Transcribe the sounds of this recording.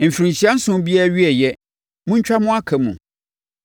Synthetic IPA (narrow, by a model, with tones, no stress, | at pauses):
m̩˨fi˨ɾĩ˨ɲɕi˨a˦n̩˦sʊ̃˦m˦bi˦a˦ɥi˦ɛ˨jɛ˦ | mũ˦ɲ˦t͡ɕᶣa˦mʊ̃˦a˦kʰɛ˨mṵ̃˨